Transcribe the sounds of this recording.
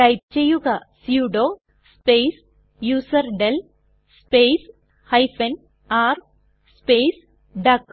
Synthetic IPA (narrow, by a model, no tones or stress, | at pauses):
ʈɐjp̚t͡ʃejːuɡɐsjuːɖoː | spejs | juːsɐɾɖel | speːs | hɐjfen | aːɾ | speːs | ɖɐk